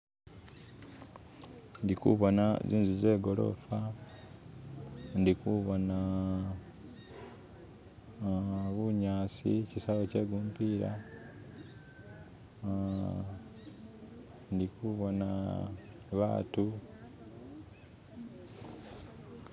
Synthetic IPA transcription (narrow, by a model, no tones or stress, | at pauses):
ndikṵβo̞naziːnzuze̞ɡo̞lo̞̰fa | ndikuβo̞na | βuɲaːt͡sḭcisaβoce̞ɡuːmpiɾa̰ | ndikuβo̞na̰ | βa̰ːtu